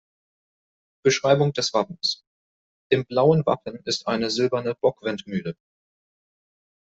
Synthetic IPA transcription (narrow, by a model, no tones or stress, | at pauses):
b̥əʃʁ̥aɪbʊŋd̥ɛsv̥apn̩s | ʔɪmblaʊənva̰pn̩ɪstʔaɪnəzɪlbɐnəb̥ɔkv̥ɛntmyːlə